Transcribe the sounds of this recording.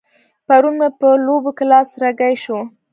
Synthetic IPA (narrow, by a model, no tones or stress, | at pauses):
paɾunmapəlobokelɑsɾaɡajʃo